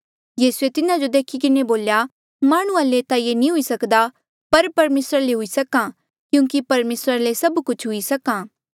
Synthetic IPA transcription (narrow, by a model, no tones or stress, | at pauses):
jiːsuet̪ɪnãd͡ʒod̪eːkʰikɪneboːlja | maːɽ̃ʊ̃ãlet̪aijenĩɦʊisɐkd̪a | pɐɾpɐɾmeːsɾaleɦʊisɐkã | kjũːŋkipɐɾmeːsɾalesɐbkʊt͡ʃʰɦʊisɐkãː